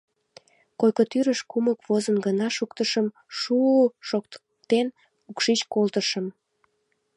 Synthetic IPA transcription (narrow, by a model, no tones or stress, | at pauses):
kojkot̪yɾəʃkuməkvozənɡənɑʃukt̪əʃəm | ʃuʃok̪ | t̪en | ukʃit͡ɕkolt̪əʃəm